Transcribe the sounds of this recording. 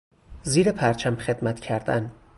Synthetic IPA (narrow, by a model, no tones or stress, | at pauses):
ziːɾepʰæɾt͡ʃʰæmχe̞d̪̥mæt̪ʰcʰæɾd̪æ̰n